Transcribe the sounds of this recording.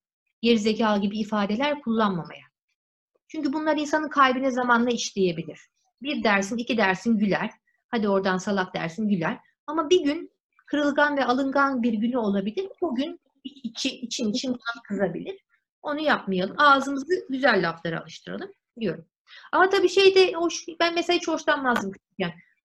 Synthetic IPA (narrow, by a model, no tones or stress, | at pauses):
jeɾizecʰaːlˠɟibiːfaːd̪e̞lʲæɾkʰulˠːanmama̰ja | t͡ʃʰyɲcybunlˠaɾins̬anɯnkʰajbinɛzamanlˠaiʃlʲeje̞bilʲiɾ̝̥ | biɾd̪æɾsinicʰid̪æɾsinɟylʲæɾ̥ | had̪io̞ɾd̪ansalˠak̚d̪æ̰ɾsinɟylʲæɾ̥ | amabiɟyn | kʰɯɾɯlˠɡanvɛalˠɯŋɡanbiɾɟynyo̞lˠabilʲiɾbuɟyn | iit͡ʃʰiit͡ʃʰinit͡ʃʰinkʰankʰɯzabilʲiɾ̥ | o̞nujapmajalˠɯmaːzɯmɯzɯɟyzælʲːaft̪ˠaɾɯa̰lˠɯʃt̪ʰɯɾa̰lˠɯm | d̪ijo̞ɾum | amat̪ʰabiːʃe̞jd̪ɛhoʃbænmeselʲaːt͡ʃʰo̞ʃt̪ʰanmaːzɯmʰɯ̥t̪ʰycæn